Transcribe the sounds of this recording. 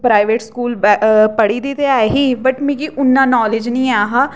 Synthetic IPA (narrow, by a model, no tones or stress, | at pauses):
pɾaːɪʋeːʈskuːlbpəɽiːd̪iːt̪eaeɦiːbəʈmẽːɡiːʔʊnːãːnɔːlɪd͡ʒnĩːaːɦaː